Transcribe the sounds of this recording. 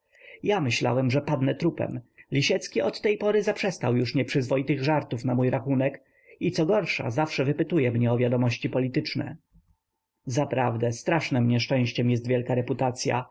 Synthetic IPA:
jamɘɕla̰wɛmʐɛpad̪nɛt̪ɾupɛ̰mlʲiɕɛt̪skʲiʔɔt̪ːɛjpɔɾɘzapʂɛst̪awjuʂɲɛpʂɘzvɔit̪ɘɣʐaɾt̪ufnamujɾaxunɛk | it̪sɔɡɔɾʂa̰zafʂɛvɘpɘt̪ujɛmɲɛɔvʲjad̪ɔmɔɕt͡ɕipɔlʲit̪ɘt͡ʂnɛ̰ | zapɾavd̪ɛst̪ɾaʂnɛmɲɛʂt͡ʂɛ̃w̃ɕt͡ɕɛmjɛst̪vʲjɛlkaɾɛput̪at̪sʲja̰

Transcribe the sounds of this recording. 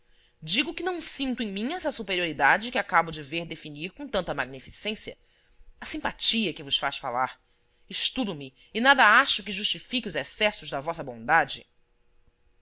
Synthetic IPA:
d͡ʒiɡʊkɪnɐ̃w̃sĩnt̪ʊẽj̃mĩɛsɐsupeɾioɾid̪ad͡ʒɪkɪakabʊd͡ʒɪveɾd̪efiniɾkõw̃t̪ɐ̃nt̪ɐmaɡ̚nifisẽsiɐ̰ | ɐsĩmpat͡ʃiɐkɪvʊʃfaʃfa̰laɾ | ɪʃt̪ud̪ʊmɪ | ɪnad̪ɐaʃʊk̬ɪʒuʃt͡ʃifikɪʊzɛsɛsʊzd̪ɐvɔsɐbõd̪ad͡ʒɪ̰

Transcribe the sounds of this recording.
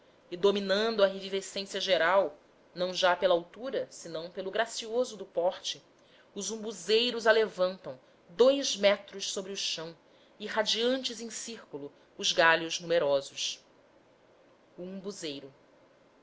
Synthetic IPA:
ɪd̪ominɐ̃nd̪ʊɐɦevivesẽsiɐʒeɾaw | nɐ̃w̃ʒapelawt̪uɾɐsɪnɐ̃w̃pelʊɡɾasiozʊd̪ʊpɔχt͡ʃɪ | ʊzũbuzejɾʊzalevɐ̃nt̪ɐ̃w̃ | d̪ojzmɛt̪ɾʊʃsobɾiʊʃɐ̃w̃ | ɪɦad͡ʒiɐ̃nt͡ʃɪzẽsiɾkulʊː | zɡalʊznumeɾɔzʊʃ | uũbuzejɾʊ

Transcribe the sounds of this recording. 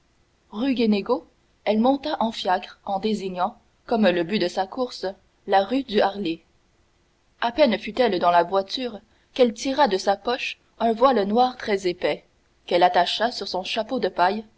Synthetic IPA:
ʁyɡeneɡo | ɛlmɔ̃t̪aʔɑ̃fjakʁɑ̃d̪eziɲɑ̃ | kɔmləbyd̪əsakuʁs | laʁyd̪yaʁle | apɛnfyt̪ɛld̪ɑ̃lavwat̪yːʁ | kɛlt̪iʁad̪əsapɔʃ | œ̃vwalnwaːʁt̪χɛzepɛ | kɛlat̪aʃasyʁsɔ̃ʃapod̪əpaj

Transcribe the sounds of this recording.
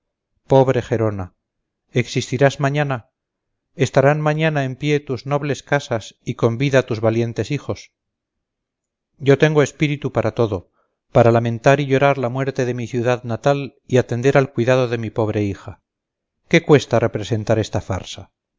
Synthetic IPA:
po̞βɾe̞xe̞ɾo̞na | eksist̪iɾazmaɲana | e̞st̪aɾanmãɲanae̞mpje̞t̪uzno̞βle̞skasasiko̞mbiðat̪uzβalje̞nt̪e̞sixo̞s | ɟ͡ʝo̞t̪e̞ŋɡoe̞spiɾit̪upaɾat̪o̞ðo̞ | paɾalamẽ̞nt̪aɾiʝo̞ɾaɾlamwe̞ɾt̪e̞ðe̞miθjuðaðnat̪aliat̪e̞nd̪eɾalkwiðaðo̞ðe̞mipo̞β̞ɾe̞ixa | ke̞kwe̞st̪are̞pɾe̞se̞nt̪aɾe̞st̪afa̰ɾsa

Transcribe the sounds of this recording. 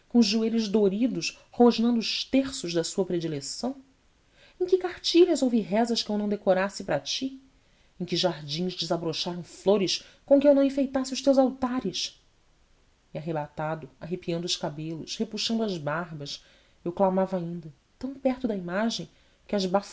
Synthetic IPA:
kõʊzʒueʎʊʒd̪oɾid̪ʊʃ | hoʒnɐ̃nd̪ʊʃt̪eχsʊʒd̪ɐsuɐpɾed͡ʒilesɐ̃w̃ | ẽj̃kɪkaɾt͡ʃiʎɐzowviɦɛzɐʃkɪewnɐ̃w̃d̪ekoɾasɪpɾɐt͡ʃi | ẽj̃kɪʒaɾd͡ʒĩʒd͡ʒɪzabɾoʃaɾɐ̃w̃floɾɪs | kõkɪewnɐ̃w̃ĩfejt̪asɪʊʃt̪ewzawt̪aɾɪʃ | iaɦebat̪ad̪ʊaɦepiɐ̃nd̪ʊʃkabelʊʃhepuʃɐ̃nd̪ʊɐzbaɾbɐʃ | ewklamavɐaĩnd̪ɐ | t̪ɐ̃w̃pɛɾt̪ʊd̪ɐimaʒẽj̃ | kɪɐzbaf

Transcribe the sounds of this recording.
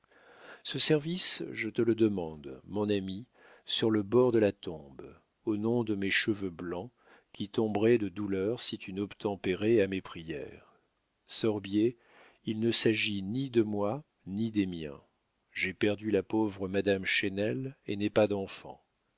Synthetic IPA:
səsɛʁvisʒət̪ələd̪əmɑ̃d̪mɔ̃nami | syʁləbɔʁd̪əlat̪ɔ̃b | onɔ̃d̪əmeʃəvøblɑ̃ | kʲit̪ɔ̃bʁɛd̪əd̪ulœʁsit̪ynɔpt̪ɑ̃peʁɛamepχijɛ̰ʁ | sɔʁbje | ilnəsaʒinid̪əmwa | nid̪emjɛ̰̃ | ʒepɛʁd̪ylapovʁəmad̪amʃenɛlḛnɛpad̪ɑ̃fɑ̰̃

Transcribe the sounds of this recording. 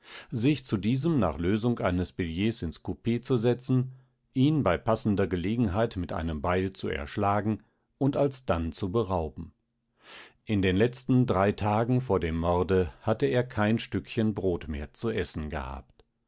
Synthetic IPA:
zɪçt͡sudiːzəmna̰ːχløːzʊŋkʔa̰ɪnəsb̥ɪljeːsɪnskʰupeːt͡suzɛt͡sn̩ | ʔiːnbaɪpasn̩dɐɡəleːɡŋ̩ɦaɪtmɪtʔa̰ɪnəmbaɪlt͡suɛ̰ɐʃlaːɡŋ̩ | ʔʊntalsd̥ant͡subəʁaʊbm̩ | ʔɪndeːnlɛt͡stn̩dʁaɪtʰaːɡŋ̩f̬oːɐdeːmːɔʁdəhatəeːɐkʰaɪnʃtʏkçənbʁoːtmḛːɐt͡suʔɛsn̩ɡə̰ha̰ːpt

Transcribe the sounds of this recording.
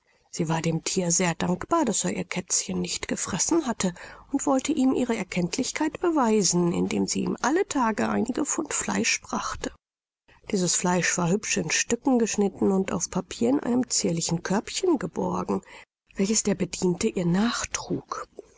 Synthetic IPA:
z̥iːvaːɐdeːmtʰiːɐzeːɐdaŋkb̥aːɐd̥aseːɐʔiːɐkʰɛt͡sçənːɪçtɡ̥əfʁ̥ɛsn̩hatʰəʊntv̥ɔltəʔiːmʔiːʁ̞əɛɐkʰɛntʰlɪçkʰaɪtb̥əvaɪzn̩ɪ̰ndḛːmziːʔḭːmʔalətʰaːɡəʔa̰ɪnɪɡəfʊntfla̰ɪʃb̥ʁaχtə | d̥iːzəsflaɪʃv̥aːɐhʏpʃɪnʃtʏkŋ̩ɡəʃnɪtn̩ʊnta̰ʊfpʰapʰiːɐɪnʔa̰ɪnəmt͡siːɐlɪçn̩kʰœɐpçənɡəbɔɐɡŋ̩ | v̥ɛlçəsd̥eːɐbədiːntəʔiːɐnaːχtʁ̥uːk

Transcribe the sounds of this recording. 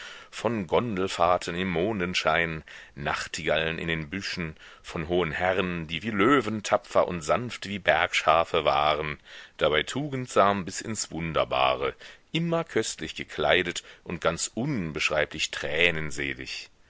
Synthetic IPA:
fɔnɡɔndl̩faɐtʰənɪmːoːndənʃaɪnːa̰χtʰiɡalənʔɪ̰ndeːnbʏʃn̩ | fɔnɦoːənhɛʁəndiːviːløːvəntʰapp͡fɐʔʊ̰ntz̥anftv̥iːbɛɐkʃaːfəvaːʁənd̥abaɪtʰuːɡn̩tz̥aːmbɪsɪ̰nsv̥ʊndɐ̰ba̰ːʁəʔɪmɐkʰœstlɪçɡ̥əkʰl̥aɪdətʔʊnt̚ɡ̥ant͡sʔʊnbəʃʁ̥aɪpʰlɪçtʁ̥ɛːnənzeːlɪ̰ç

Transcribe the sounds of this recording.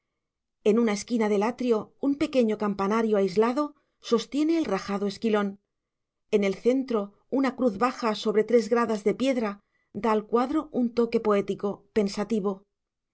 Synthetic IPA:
e̞nunae̞skinaðe̞lat̪ɾjo̞umpe̞ke̞ɲo̞kampanaɾjo̞ajzlaðo̞ | so̞st̪je̞ne̞ːlraxaðoe̞skilo̞n | e̞ne̞lθe̞nt̪ɾo̞ | unakɾuθβaxaso̞βɾe̞t̪ɾe̞zɣɾaðazðe̞pje̞ðɾa | d̪aːlkwaðɾo̞unt̪o̞ke̞po̞e̞t̪iko̞pe̞nsat̪iβ̞o̞

